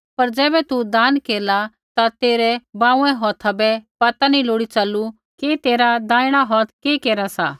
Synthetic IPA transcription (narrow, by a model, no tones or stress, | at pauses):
pɐɾd͡ʒɛːbɛt̪ud̪aːnkeːɾla | t̪at̪eːɾɛbãːũɛ̃ɦɔːt̪ʰabɛpɐt̪aniloːɽit͡ʃɐlːu | ket̪eːɾad̪ãːɪɽ̃aɦɔːt̪ʰkeːkeːɾasa̰ː